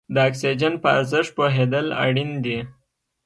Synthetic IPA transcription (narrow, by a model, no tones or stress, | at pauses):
d̪əɑksid͡ʒənpəa̰ɾzɪʂʈ̪̚poɦed̪əla̰ɽind̪i